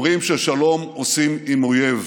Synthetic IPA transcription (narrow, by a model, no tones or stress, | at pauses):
ʁimʃeʃalo̞mosimimojev